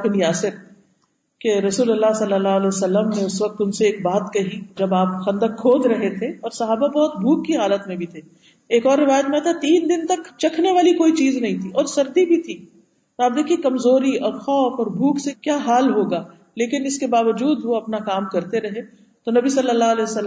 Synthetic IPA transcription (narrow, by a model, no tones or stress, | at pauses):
kniaːsɪɾ | keɾɐsuːlɐlːasɐlːəlːaːəlɛsɐlːəmnẽʊsʋɐk̚t̪ʊnseːkbaːt̪kɐɦid͡ʒɐbaːp̚xɐ̃nd̪əkʰːoːd̪ɾɐɦet̪ʰeɔːɾsɐɦaːbabɔɦʊt̪̚bʱuːkːiɦaːlət̪mẽbʱit̪ʰe | eːkɔːɾːɪʋaːjət̪̚mẽat̪ʰat̪iːnd̪ɪnt̪ɐkt͡ʃɐkʰneʋaːlikoːit͡ʃiːznɐɦĩt̪ʰiɔːɾsɐɾd̪ibʱit̪ʰi | t̪oaːp̚d̪eːkʰiekɐmzoːɾiɔːɾxɔːfɔːɾbʱuːksekjaːɦaːlɦoːɡaː | leːkɪnɪskebaːʋəd͡ʒuːd̪ʋoɐpnakaːmkɐɾt̪eɾɐɦe | t̪onɐbisɐlːəlːaəlɛːsəlː